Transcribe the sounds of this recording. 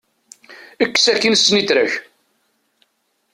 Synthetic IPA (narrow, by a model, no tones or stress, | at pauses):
əkːsækːinsnit̪ɾæç